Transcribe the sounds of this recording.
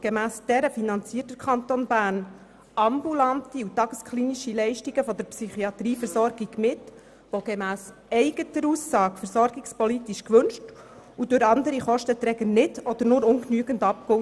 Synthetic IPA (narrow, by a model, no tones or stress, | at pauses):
ɡ̥emæːsd̥ɛɾəfinɑnt͡siːrtəɾkχɑnt̪onbæːɾn | ɑmbulɑnt̪iut̪ɑɡ̥əskχliːniʃilɛɪʃtiɡəfɔd̪əɾpsyχiɑt̪ɾiːfəɾsɔɾɡiɡ̥mɪt | ʋoɡ̥emæːs | ɛɪɡətəɾusːɑːkfəɾsɔɾɡikspɔlit̪iʃkʋɵnʃtud̥ʉɾɑnd̪əɾiχɔʃtət̪ɾɛɡənɪdɔd̥̪əɾnʊɾʊŋknyəɡəntɑp̚ko